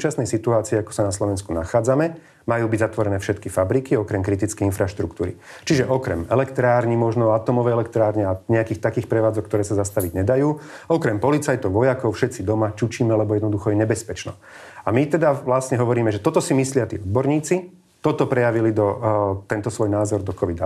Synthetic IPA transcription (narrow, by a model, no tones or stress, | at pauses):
ut͡ʃasnɛjsit̪uaːt͡siɛakɔ̥sanaslɔʋɛnskunaxaːd͡zamɛ | majuːbiɟzat̪ʋɔɾɛnɛːfʃɛt̪kifabɾikiɔkɾɛmkɾit̪it͡skɛjinfɾaʃt̪ɾukt̪uːɾḭt͡ʃiʒɛʔɔkɾɛ̰mɛlɛkt̪ɾaːɾɲimɔʒnɔat̪ɔmɔʋɛjɛlɛk̚t̪ɾaːɾɲɛaɲɛakiːxt̪akiːxpɾɛʋaːd͡zɔkːt̪ɔɾɛːsazast̪aʋiɟɲɛd̪ajuːɔkɾɛmpɔlit͡sajt̪ɔʊʋɔjakɔʊfʃɛt̪t͡sid̪ɔmat͡ʃut͡ʃiːmɛlɛbɔjɛd̪nɔd̪uxɔjɛɲɛbɛspɛt͡ʃnɔ̰ | amit̪ɛd̪aʋlasɲɛɦɔʋɔɾiːmɛʒɛt̪ɔt̪ɔsimislɪat̪iːɔd̪̚bɔɾɲiːt͡si | t̪ɔt̪ɔpɾɛjaʋilid̪ɔt̪ɛnt̪ɔsʋɔjnaːzɔɾd̪ɔkɔʋid̪a̰